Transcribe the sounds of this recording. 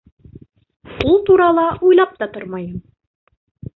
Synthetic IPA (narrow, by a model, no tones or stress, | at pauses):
ulˠt̪uɾɑlˠɑʔujlˠɑp̚t̪ɑt̪oɾmɑjɤm